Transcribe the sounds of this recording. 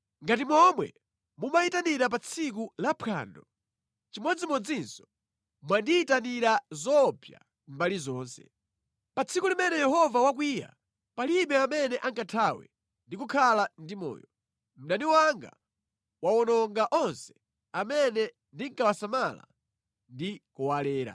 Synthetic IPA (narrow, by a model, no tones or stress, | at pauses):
ŋɡatimɔmwɛ̰ | mumaitaniɾap̬at͡sʰik̬ulapʰa̰ːndɔ | t͡ʃimwɛd͡zimɔd͡zinsɔ̥ | mwandiːtaniɾazɔpʰja̰ | mbalizɔːnsɛ̰̥ | pat͡sʰikulimɛnɛjɛhɔvawak̬wija̰ | palimɛamɛnɛʔaŋkatʰawɛ̰ | ndikukʰalandimɔ̰ːjɔ | m̩ɗaniwaŋɡa̰ | wawɔnɔŋɡaʔɔnsɛ̥ | amɛnɛ | ndiŋkawasamala̰ | ndikɔwalɛːɾa̰